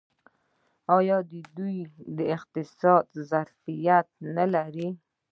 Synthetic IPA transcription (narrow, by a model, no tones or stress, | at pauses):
ɑjɑd̪əd̪ujd̪əɪqt̪ɪsɑd̪zaɾfijat̪̚nalaɾi